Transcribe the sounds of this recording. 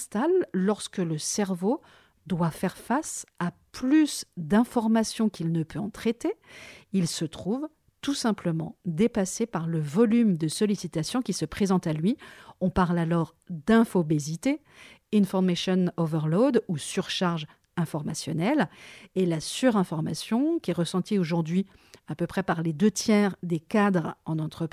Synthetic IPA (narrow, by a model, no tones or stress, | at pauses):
st̪alːɔʁskələsɛʁvo | d̪wafɛʁfasaplysd̪ɛ̃fɔʁmasjɔ̃kʲilnəpʰøɑ̃t̪χet̪eilsət̪χuv | t̪usɛ̃pləmɑ̰̃d̪epasepaʁləvɔlymd̪əsɔlisit̪asjɔ̃kʲisəpχezɑ̃t̪alɥiɔ̃paʁlalɔʁ | d̪ɛ̃fɔbezit̪e | ĩnfɔʁmaʃɔnovɛʁlod̪usyʁʃaʁʒ | ɛ̃fɔʁmasjɔnɛlelasyʁɛ̃fɔʁma̰sjɔ̃kʲiɛʁəsɑ̃t̪ioʒuʁd̪ɥi | apøpχɛpaʁled̪øt̪jɛʁd̪ekad̪ʁɑ̃nɑ̃t̪χəp